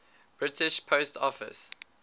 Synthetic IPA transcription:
b̥ɹɪtʰɪʃpʰoʊstʰɔ̰fɪ̰s

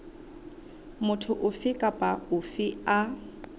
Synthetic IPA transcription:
mʊtʰʊʔʊfɪkʼapʼaʊfɪa

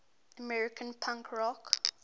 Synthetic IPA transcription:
əmɛɹɪkʰə̃npʰãŋkʰɹɔk

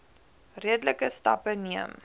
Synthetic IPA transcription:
riədləkəstɐ̰pəniəm

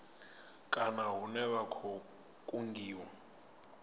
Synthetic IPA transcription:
kʼanaɦunɛβakʰɔ | kʼuŋɡiːwa

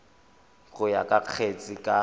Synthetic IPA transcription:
ɣʊja̰kʼaq͡χʰet͡sʼɪkʼa

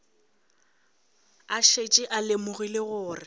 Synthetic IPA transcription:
aʃet͡ʃʼɪʔalemʊɣileɣʊːrɪ

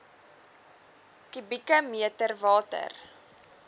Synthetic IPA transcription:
kibikəmiətərvɑːtə̰r

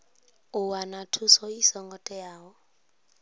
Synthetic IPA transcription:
uwanatʰusɔisɔŋɡɔtʼɛjaːwɔ

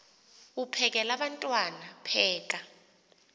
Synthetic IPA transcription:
upʰɛk̬ɛlaɓantʼwanapʰɛːk̬ʼa

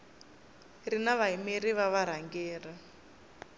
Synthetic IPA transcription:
rinaβaɦimiɾiβaβaɾ̤aŋɡɛːr̤a

